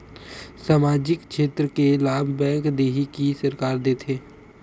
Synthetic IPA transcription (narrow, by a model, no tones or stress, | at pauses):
saːmaːd͡ʒɪkʃeːt̪ɾəkelaːbʱbɛ̃ːŋkd̪eːɦikisəɾkaːɾd̪eːt̪ʰeː